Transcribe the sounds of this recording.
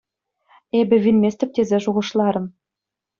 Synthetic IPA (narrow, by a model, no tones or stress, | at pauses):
ebɘ̆vʲinmʲesʲt̪ɘ̆p̚t̪ʲezeʒuʁɤ̆ʃlˠɑɾɤ̆m